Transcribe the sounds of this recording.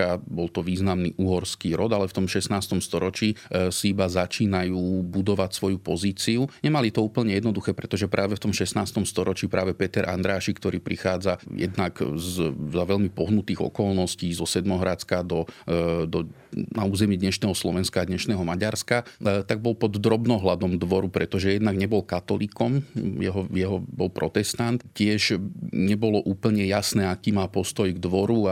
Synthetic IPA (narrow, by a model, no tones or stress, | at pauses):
abɔlt̪ɔʋiːznamnḭːʔuɦɔɾskiːɾɔd̪alɛft̪ɔmʃɛsnaːst̪ɔmst̪ɔɾɔt͡ʃiːsiibazat͡ʃiːnajuːbud̪ɔʋacsʋɔjupɔziːt͡siuɲɛmalit̪ɔuːpl̩ɲɛjɛd̪nɔd̪uxɛːpɾɛt̪ɔʒɛpɾʔaːʋɛft̪ɔmʃɛsnaːst̪ɔmst̪ɔɾɔt͡ʃiːpɾaːʋɛpɛt̪ɛɾʔa̰nd̪ɾaːʃikt̪ɔɾiːpɾixaːd͡zajɛ̰d̪naɡzzaʋɛʎmipɔɦnut̪iːɣɔ̰kɔlnɔsciːzɔsɛd̪mɔɦɾat͡skad̪ɔd̪ɔ | nauːzɛmiɛd̪ɲɛʃnɛːɦɔslɔʋɛnskaːd̪ɲɛʃnɛːɦɔmaɟaɾskat̪aɡ̚bɔlpɔd̪ːɾɔbnɔɦlad̪ɔmd̪ʋɔɾupɾɛt̪ɔʒɛjɛd̪naɡɲɛbɔlkat̪ɔliːkɔmjɛɦɔjɛɦɔbɔlpɾɔt̪ɛst̪ant̪cɪɛʒɲɛbɔlɔʔuːpl̩ɲɛjasnɛːakiːmaːpɔst̪ɔjɡd̪ʋɔɾua